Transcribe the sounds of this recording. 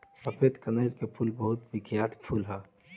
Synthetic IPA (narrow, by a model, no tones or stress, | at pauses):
səpʰed̪kənəɾkepʰulbəɦʊt̪ʋɪɡjaːt̪pʰulɦɛ